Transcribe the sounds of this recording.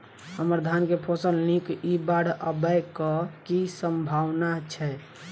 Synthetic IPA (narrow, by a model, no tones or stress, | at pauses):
ɦəməɾd̪ʱankepʰosəlnikibaɽəbəjkɔkisəmbʱaʋnat͡ʃʰɛ